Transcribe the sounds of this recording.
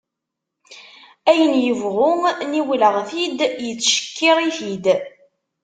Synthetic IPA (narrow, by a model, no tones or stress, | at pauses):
æjənjəvʁʊŋniwləʁθid̪jət͡sːʃə̥kʰːɪʁiθid̪